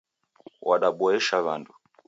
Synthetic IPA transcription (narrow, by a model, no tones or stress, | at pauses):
wʔaɗaɓɔɛʃaβandu